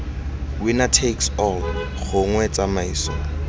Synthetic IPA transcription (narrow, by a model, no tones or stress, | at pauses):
winatʰeksɔl | ɣʊŋwɛt͡sʼamaiːsɔ